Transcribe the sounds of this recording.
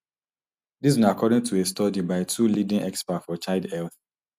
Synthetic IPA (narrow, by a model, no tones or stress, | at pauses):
diznakʰɔdɪ̃ŋtʰuestɔdibaɪtʰulidĩŋɛkspatfɔt͡ʃaɪlˠdɛlθ